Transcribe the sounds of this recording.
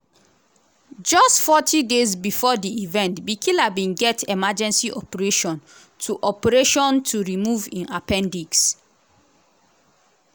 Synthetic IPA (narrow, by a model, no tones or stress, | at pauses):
d͡ʒɔstfɔtʰidezbifɔdiivɛ̃ntbikʰilabĩnɡɛtɛmad͡ʒɛ̃nsiʔɔpɛɹeʃɔ̃n | tʰuʔɔpɛɹeʃɔ̃ntʰuɹimuvĩnapɛ̃ndiɡs